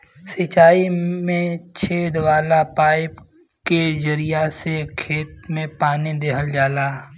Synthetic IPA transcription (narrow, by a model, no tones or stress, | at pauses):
sət͡ʃaːimẽt͡ʃʰeːd̪ʋaːlapaːɪp | kezəɾijasekʰeːt̪̚mẽpaːnid̪eːɦəld͡ʒaːlaː